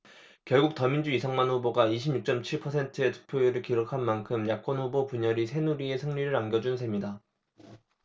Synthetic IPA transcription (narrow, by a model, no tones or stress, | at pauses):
kjʌɭɡuk̚tʌmind͡ʑuisʰaŋmanɸuboɡaiɕʰimɲuk̚t͡ɕ͈ʌmt͡ɕʰiɭpʰʌsʰe̞ntʰɯetɯ̥pʰjoeɾɯɭkiɾokʰanmankʰɯmjak̚k͈ʌnɸubopuɲʌɾisʰe̞nuɾie̞sʰɯŋɲiɾɯɾanɡjʌd͡ʑunsʰemɲida